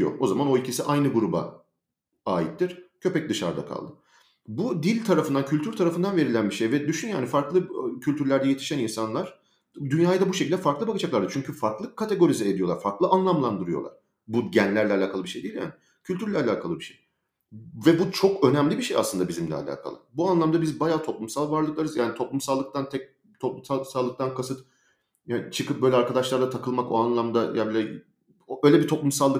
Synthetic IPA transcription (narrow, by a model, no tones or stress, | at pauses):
jo̰o̞zamano̞ilʲcʰisiʔajnɯɡuɾuba̰ | aːjḭt̪ːiɾ̥cʰø̞pɛc̚d̪ɯʃa̰ɾd̪a̰kʰa̰lˠd̪ɯ | bud̪ilʲt̪ʰaɾafɯnd̪ancʰylʲt̪ʰyɾt̪ʰaɾafɯnd̪anve̞ɾilʲænbiʃejvɛd̪yʃynjaːnifaɾklˠɯcʰylʲt̪ʰyɾlʲæɾd̪ɛje̞t̪ʰi̥ʃæninsanlˠaɾ̥ | d̪ynjaːjd̪abuʃecʰilʲd̪ɛfaɾklˠɯbakad͡ʒaklˠaɾd̪ɯɾt͡ʃʰyɲcʰyfaɾklˠɯkʰːat̪ʰe̞ɡo̞ɾizɛed̪ijo̞lˠaɾfaɾklˠɯanlˠamlˠand̪ɯɾɯjolˠa̰ɾ̥ | buɟænlʲæɾlʲɛalʲaːkʰalˠɯbiʃe̞jd̪ilʲja̰ːni | cʰylʲt̪ʰyɾlʲɛalʲaːkʰalˠɯbiʃej | vɛbut͡ʃʰo̞kø̞næmlʲibiʃeja̰slɯnd̪abizimlʲɛ̰a̰lʲa̰ːkʰa̰lˠɯ̰buanlˠamd̪abizbajaːt̪ʰo̞plˠumsalˠvaɾlˠɯklˠaɾɯzjaːnit̪ʰo̞plˠumsalˠːɯk̚t̪ʰant̪ʰɛc̚ | t̪ʰo̞plˠumsasalˠːɯk̚t̪ʰankʰasɯt̪ | at͡ʃʰɯkʰɯp̚bøjlʲɛaɾkad̪aʃlˠaɾlat̪ʰakʰɯlˠmako̞anlˠamd̪ajabilʲɛ | øjlʲɛbit̪ʰo̞plˠumsalˠːɯ